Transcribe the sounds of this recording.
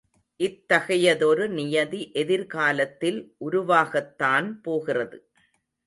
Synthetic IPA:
ʔɪt̪ːɐɣɐjɐðɔɾɯnɪjɐðiʔɛðɪɾkaːlɐt̪ːɪlʔʊɾʊʋaːɣɐt̪ːaːnpoːɣɪrɐðɯ

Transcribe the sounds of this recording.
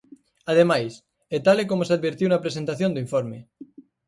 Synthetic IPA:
aðemajs | et̪alek̬omosað̚βeɾt̪iunapɾes̬ent̪aθjond̪uiɱfoɾme

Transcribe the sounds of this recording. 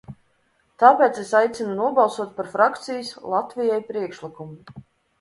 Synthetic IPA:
t̪aːpʲeːt̪sesajt̪sʲinunuɔbɑlˠsuɔt̪̚paɾfɾakt̪sijɨslˠat̪vʲijajpɾiɛkʃlikumu

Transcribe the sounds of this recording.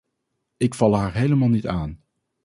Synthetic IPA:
ɪkfɑlˠɦaːɹɦejləmaːlˠnitaːn

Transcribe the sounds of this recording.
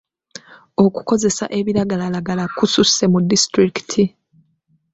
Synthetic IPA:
o̞ku̥ko̞ze̞sa̰ʔe̞βiɾaɡalalaɡalakususe̞mudːistɾiki̥tʰi

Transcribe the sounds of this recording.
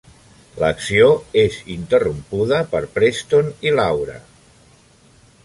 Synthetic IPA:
ləksioezint̪ərumpuð̞əpəɾpɾest̪onilawɾə̰

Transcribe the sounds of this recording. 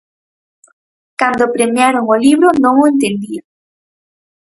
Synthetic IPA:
kand̪opɾemjaɾoŋoliβɾonõŋoẽnt̪end̪ia

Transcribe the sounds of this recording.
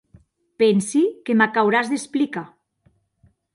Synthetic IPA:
pensikemakawɾazðesplika

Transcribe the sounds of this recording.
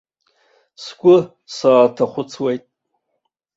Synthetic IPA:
sɡʷʼʊ | saːtʰaχʷʊt͡sʰwejtʼ

